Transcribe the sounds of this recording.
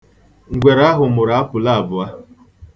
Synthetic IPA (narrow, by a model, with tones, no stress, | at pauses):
ŋ̩˨ɡʷe˨ɾa˦ɦʊ˨mʊ˨ɾa˦pʊ˨la˦a˨bʊ˨a˦